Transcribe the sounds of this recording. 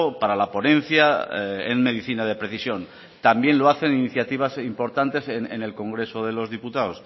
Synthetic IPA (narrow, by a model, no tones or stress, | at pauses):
opaɾalapo̞nẽ̞n̟θjaḛnme̞ð̞iθinað̞e̞pɾe̞θisjõ̞n | t̪ambjẽ̞nloaθe̞niniθjat̪iβ̞asimpo̞ɾt̪ant̪e̞senḛne̞lko̞ŋɡɾe̞so̞ðe̞lo̞zðiput̪aos